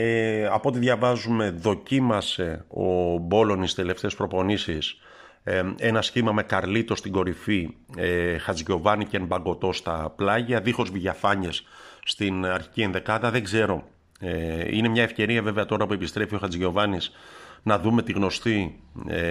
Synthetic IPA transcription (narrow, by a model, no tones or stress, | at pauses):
eɐpo̞t̪iðʝɐvɐzume̞ðo̞cimɐse̞o̞̰bo̞lo̞nist̪ele̞ft̪e̞ːspɾo̞po̞nisis | e̞nɐsçimɐme̞kɐɾlit̪o̞st̪iɡo̞ɾifiexɐt͡sʝo̞vɐniceembɐŋɡo̞t̪o̞st̪ɐplɐʝɐðixo̞zviʝɐfɐɲesːt̪inɐɾçi̥cienðe̞kɐt̪ɐðe̞ɡze̞ɾo̞ | eḭne̞mɲɐe̞fce̞ɾiɐve̞veɐt̪o̞ɾɐpue̞pist̪ɾe̞fio̞xɐt͡sʝo̞vɐnisnɐðume̞t̪iɣno̞st̪i